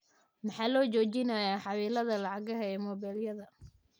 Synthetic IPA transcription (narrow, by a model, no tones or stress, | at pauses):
mɑħɑːlɔːt͡ʃɔːt͡ʃɪnɐjaːħɑwiːlɐðɐlɑʕɑɣɐɦɛɛːmɔːbɛːljɐðɐ